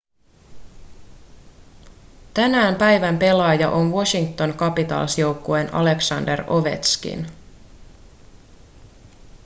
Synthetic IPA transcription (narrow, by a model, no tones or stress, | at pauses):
t̪ænæːmpæjʋæmpe̞lɑjɑʔo̞nʋosiŋk̚t̪o̞ŋkɑpit̪ɑ̰ːlsjo̞wkːoe̞nɑ̰le̞ksɑnde̞ro̞ʋe̞̰t̪skḭn